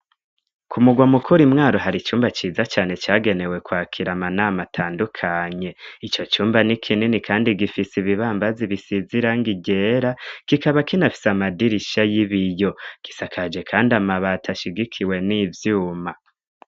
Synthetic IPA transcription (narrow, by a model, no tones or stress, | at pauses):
kʰumuɡwamukʰuɾimŋaːɾoɦaɾit͡ʃuːmbat͡ʃiːzat͡ʃaːne̞t͡ʃaːɡe̞ne̞we̞kwaːkʰiɾamanaːmatʰaːndukʰaɲe̞it͡ʃo̞t͡ʃuːmbanikʰininikʰaːndiɡifisiβiβaːmbaziβisiziɾaŋɡiɟe̞ːɾakikaβakinafi̥samadiɾiʃajiβijo̞ɡ̥i̥sakʰad͡ʒe̞kʰaːndiamaβatʰaʃiɡikʰiwe̞nivjuːma